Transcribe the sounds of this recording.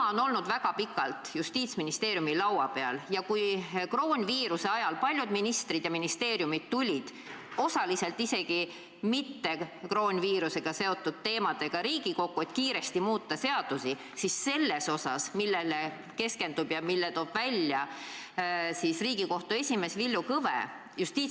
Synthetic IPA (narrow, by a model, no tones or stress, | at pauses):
ɑono̞lnud̪̥væɡ̥ɑpikːˑɑlt̪just̪iːt̪sminist̪e̞ːɾjumilɑwɑ̰pe̞ɑ̰ljɑkujkro̞ːnʲviːɾuse̞ɑjɑlpɑlʲjud̪̥minist̪rid̪jɑminist̪e̞ːrjumid̪̥̚t̪ulʲid̪̥ | o̞sɑlise̞lt̪ˑise̞ɡ̥i | mit̪ːe̞kro̞ːnʲviːɾuse̞ɡ̥ɑse̞o̞t̪ːˑud̪̥̚t̪e̞ːmɑd̪̥e̞ɡ̥ɑɾiːɡ̥iko̞kːˑue̞t̪kiːɾe̞st̪imuːt̪ːɑse̞ɑd̪̥usi | sisːe̞lːe̞so̞sɑsmilːele | ke̞ske̞nd̪ub̥jɑmilːet̪o̞ːb̥vælʲjɑ | sisriːɡ̥iko̞ht̪uesʲime̞svilːukɤvḛ | just̪iːt̪